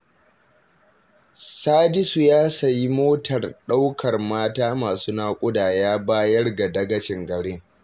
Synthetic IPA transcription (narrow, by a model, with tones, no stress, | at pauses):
saː˦dɪ˦su˨jaː˦sɐ˨ji˦moː˦tʰɐ˨rɗa˦wkʰɐ˨rmaː˦taː˦maː˨su˦naː˦kʷʼʊ˦daː˨jaː˦baː˦jɐ˦rɡa˨dɐ˦ɡɐ˦t͡ʃɪ˨ŋɡɐ˨ɽɪ˦ŋ